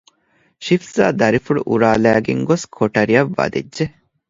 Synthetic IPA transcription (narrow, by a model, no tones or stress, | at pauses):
ʃifza̰ːd̪ɐɾifuɭṵʔuɾaːlæːɡeŋɡoskʰoʈɐɾiɐʋːɐ̰d̪ḛdːʒe